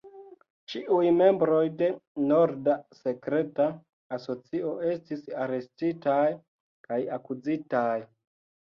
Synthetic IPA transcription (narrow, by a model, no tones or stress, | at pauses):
t͡ʃiʔujme̞mbɾo̞jde̞no̞ɾdase̞kɾe̞taː | so̞t͡sio̞ʔe̞stisaɾe̞stitaj | kajakud͡zitaj